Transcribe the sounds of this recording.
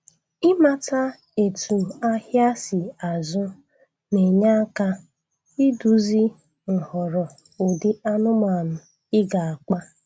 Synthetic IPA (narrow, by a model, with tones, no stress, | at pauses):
ɪ˦ma˨ta˦ | e˨tu˨a˦hja˦si˨a˨zʊ˦ | ne˨ɲa˦ka˦ | i˦du˨zi˦ | n̩˨hɔ˨ɾɔ˨ | o˨dɪ˦a˦nʊ˦ma˨nʊ˨ | ɪ˦ɡa˨a˨k͡pa˦